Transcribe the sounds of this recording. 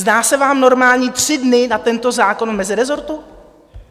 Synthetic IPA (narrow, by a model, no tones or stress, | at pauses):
zdaːsɛvaːmno̞ɾmaːlɲiːt̪r̥ɪdnɪnat̪ɛnt̪o̞zaːko̞nmɛzɪɾɛzo̞ɾt̪u